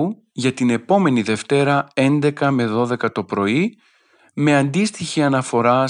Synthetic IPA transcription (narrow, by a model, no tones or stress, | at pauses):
u | ʝɐt̪ine̞po̞me̞niðe̞ft̪e̞ɾɐe̞nd̪e̞kɐme̞ðo̞ðe̞kɐt̪o̞pɾo̞i | me̞ɐnd̪ist̪içiɐnɐfo̞ɾɐ